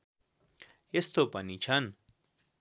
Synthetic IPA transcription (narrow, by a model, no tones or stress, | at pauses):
est̪opʌnit͡sʰʌn